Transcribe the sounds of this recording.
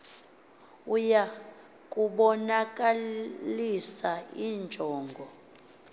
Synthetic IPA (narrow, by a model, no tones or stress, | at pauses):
uja | kʼuɓɔnakʼalisaiːnd͡ʒʱɔːŋɡʱɔ